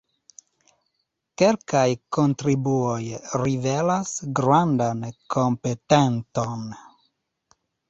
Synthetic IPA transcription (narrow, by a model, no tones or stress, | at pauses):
kelkajkont̪ɾibuojrivelasɡɾwand̪ankʰompet̪ent̪on